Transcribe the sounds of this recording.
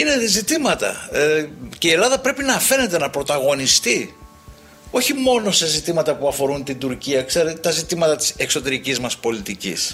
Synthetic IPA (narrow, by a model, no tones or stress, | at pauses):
ine̞ðzit̪imɐt̪ɐ̰ | ceie̞lɐðɐpɾe̞pinɐfe̞ne̞t̪e̞nɐpɾo̞t̪ɐɣo̞nist̪i | o̞çimo̞no̞sezit̪imɐt̪ɐpuɐfo̞ɾunt̪ind̪uɾciɐkse̞ɾet̪ɐzit̪imɐt̪ɐt̪i̥se̞kso̞t̪e̞ɾicizmɐspo̞lit̪icḭs